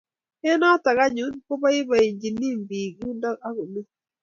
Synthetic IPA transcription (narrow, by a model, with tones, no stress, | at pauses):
e˦nɔ˦ta˨ɣa˦ɲu˨˦nko˦ba˦i˦ba˨i˨ɲd͡ʒi˨ni˦˨mbi˨ɡu˦nda˦a˦ɣo˨mi˦